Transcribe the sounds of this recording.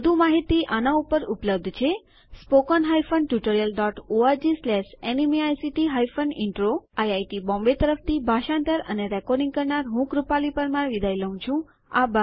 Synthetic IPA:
əd̪ʱũmaɦit̪iʔanaupəɾupləb̚d̪ʱt͡ʃʰe | spokɔnɦajfʰənʈjuʈoɾijəlɖɔʈoaɾd͡ʒislɛʃenimiajsiʈiɦaifʰəniɳʈɾoajajʈibɔ̃mbet̪əɾəft̪ʰibʱaʃãnt̪əɾə̰neɾɛkɔɾɖĩŋɡ̚kəɾɳaɾɦũkɾupalipəɾmãʋid̪ʱajləũt͡ʃʰũ | a̰ba

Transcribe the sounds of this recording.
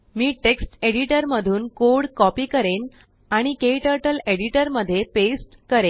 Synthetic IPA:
miːʈeksʈeɽiʈəɾməd̪ʱuːnkoɽkɔpiːkəɾen | aɽ̃ikeiʈəɾʈəleɽiʈəɾməd̪ʱːjepesʈkəɾe

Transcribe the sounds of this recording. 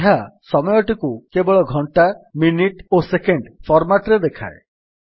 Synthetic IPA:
ɦasɔmɔjɔʈikukebɔɭɔɡʱɔɳʈaminiʈosekeɳɖpʰɔɾmaʈɾed̪ekʰa̰e

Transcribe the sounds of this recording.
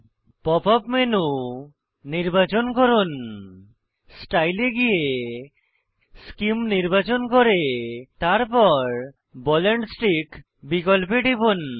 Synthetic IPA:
pɔpɔpmenu | niɾbat͡ʃonkɔɾun | sʈajleɡije | skimniɾbat͡ʃonkɔɾet̪aɾpɔɾ | bɔleɳɖsʈik | bikɔlpeɖibun

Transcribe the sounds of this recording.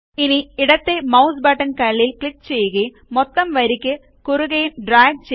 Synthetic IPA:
iniiɽɐt̪ːemɐwsbaːʈːɐnkɐɭilkɭikːt͡ɕe̞jːuɣɐju | mot̪ːɐmʋɐɾikʲːɨ | kuruɣɐjumɖraːɡ̚t͡ɕe

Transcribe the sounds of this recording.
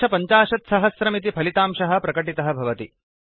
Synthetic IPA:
ɐpɐɲt͡ʃaːʃɐt̪sɐɦɐsɾɐmit̪̬ipʰɐlit̪aːmʃɐɦɐ̆pɾɐkɐʈit̪ɐɦɐ̆bʱɐʋɐt̪i

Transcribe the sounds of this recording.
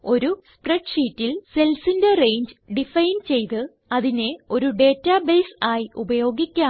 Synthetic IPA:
o̞ɾuspreʈʂiːtːilse̞lsinde̞re̞jɲd͡ʑɨɖifɐjnt͡ɕe̞jt̪ɨ | ɐðine̞o̞ɾuɖe̞ːtːabeːsaːjiubɐjo̞ːɡikʲːaː

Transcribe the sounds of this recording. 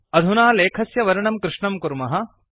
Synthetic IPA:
ɐd̪ʱunaːleːkʰɐsjɐʋɐɾɐɳɐmkɾɪʂɳɐmkuɾmɐɦɐ

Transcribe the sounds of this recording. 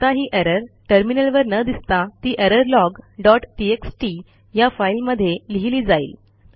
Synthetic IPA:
ət̪aɦiːʔɛɾəɾʈəɾminəlʋəɾnəd̪ist̪at̪iːʔeɾəɾlɔɡɖɔʈʈieksʈi | jafailməd̪ʱːjeliɦliːd͡zaḭːl

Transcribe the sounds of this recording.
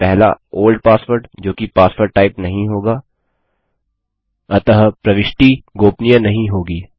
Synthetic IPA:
pɛɦla̰oːlɖpaːspoːɾʈd͡ʒoːkipaːspəɾʈːaːɪpnɐɦĩɦoːɡaː | ɐt̪ɐɦpɾɐʋɪʃʈiɡoːpnijənɐɦĩɦoːɡiː

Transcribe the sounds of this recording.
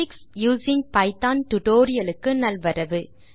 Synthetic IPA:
ɪksjuːsɪ̃ŋɡ̚pɐɪt̪aːnʈʊʈoːɾɪjɐlɯkːɯnɐlʋɐɾɐʋɯ

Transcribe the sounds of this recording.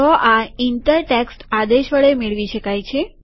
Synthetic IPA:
ɔʔaint̪əɾʈeksʈad̪eʃʋəɭemeɭʋiʃəkajt͡ʃʰe

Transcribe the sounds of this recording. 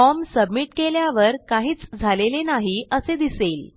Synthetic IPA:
ɔmsəbmiʈkeljaʋəɾkaɦiːt͡sd͡zʱalelenaɦiəsed̪iseːl

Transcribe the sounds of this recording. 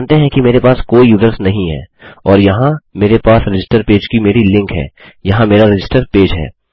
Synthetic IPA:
nt̪eɦɛ̃kimeːɾepaːskoːijuːzəɾsnɐɦĩɦɛ̰ːɔːɾjɐɦãmeːɾepaːsɾɪd͡ʒɪsʈəɾpeːd͡ʒkimeːɾilɪ̃ŋkɦɛ̰ː | jɐɦãmeːɾaɾɐd͡ʒɪsʈəɾpeːd͡ʒɦɛ̰ː

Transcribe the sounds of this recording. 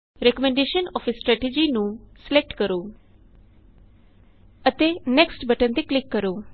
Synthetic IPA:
ɾɛkəmɛ̃ɳɖeːʃənɔːpʰsʈɾɛːʈed͡ʒiːnũːslɛk̚ʈkəɾoː | ət̪eːnɛksʈbəʈənd̪iːklɪkːəɾoː

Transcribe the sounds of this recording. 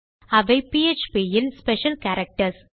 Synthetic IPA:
ɐʋɐɪpiet͡ʃpijɪlspɛʃɐlkæːɾɐk̚ʈɐɾs

